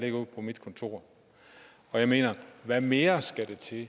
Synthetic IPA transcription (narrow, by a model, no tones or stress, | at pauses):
leɡ̥ɐuð̰ˠpʰɒ̽mid̥kʰɒ̽nt͡sʰo̝ɐ̰ | ɒ̽jɑ̈ɪme̝̰ːnɐʋæme̝ːɐsɡ̥æd̥e̝t͡sʰe̝